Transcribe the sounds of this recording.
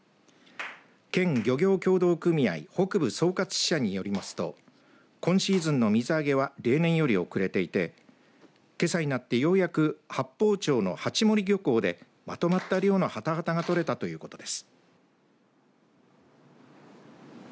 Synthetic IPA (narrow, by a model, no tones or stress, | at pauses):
kẽ̞ŋɡʲo̞ɡʲo̞ːkʲo̞ːd̪o̞ːkɯ̟mʲia̰iho̞kɯ̟bɯ̟so̞ːkat͡sɨ̥ɕaɲ̟ijo̞ɾʲimasɨ̥t̪o̞̰ | kõ̞ɰ̃ɕiːzɨ̃nːo̞mʲizɨaɡe̞β̞aɾe̞ːnẽ̞ɰ̃jo̞ɾʲio̞kɯ̟ɾe̞t̪e̞it̪e̞ | ke̞saɲ̟inat̪ːe̞jo̞ːjakɯ̟hapːo̞ːt͡ɕo̞ːno̞̰hat͡ɕimo̞ɾʲiɡʲo̞ko̞ːd̪e̞ | mat̪o̞mat̪ːaɾijo̞ːnohat̪aɡat̪aɡat̪o̞ɾe̞t̪at̪o̞jɯ̟ːko̞t̪o̞d̪e̞sɨ̥